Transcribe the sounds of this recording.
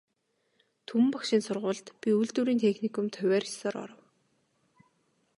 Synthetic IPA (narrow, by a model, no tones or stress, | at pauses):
t̪ʰumpakʃĭnsʊrʁʊːɮt̪pʲiuɮt̪uːɾiːnt̪ʰexnikʰʊ̆mt̪ʰœwʲæːrsɔːɾɔ̰ɾə̆w